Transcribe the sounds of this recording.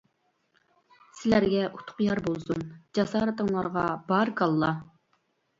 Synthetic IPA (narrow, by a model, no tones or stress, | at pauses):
sɪlæɾɡʲɛʔu̥t̪ʰʊ̥qjɑɾbolˠsund͡ʒɑsɑːɾɨt̪əŋlˠɑɾʁɑbɑɾkɑlˠːɑ